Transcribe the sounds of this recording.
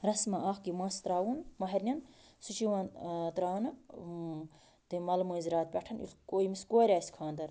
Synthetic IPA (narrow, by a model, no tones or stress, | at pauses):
ɾɐsmɐʔaːxkimãːst̪ɾaːwunmɐɦɐɾʲnʲɐnsut͡ʃiwãːnt̪ɾaːnɐ | t̪ɨmɐlmɨːzʲɾaːt̪̚pʲɐʈʰɐnḭlkoːjmiskoːɾʲaːsʲkʰaːnd̪ɐɾ